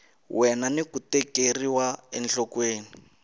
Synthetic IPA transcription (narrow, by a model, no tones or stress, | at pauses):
wɛnanikutɛkeriwaɛ̰nɬɔkweːni